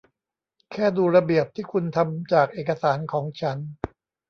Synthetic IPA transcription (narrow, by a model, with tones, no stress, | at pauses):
kʰɛː˥˩duː˧ɾa˧bi˨˩əp̚t̪ʰiː˥˩kʰu˧nt̪ʰa˧mt͡ɕaː˨˩k̚ʔeː˨˩ka˧saː˩˦nkʰɔː˩˦ŋt͡ɕʰa˦˥n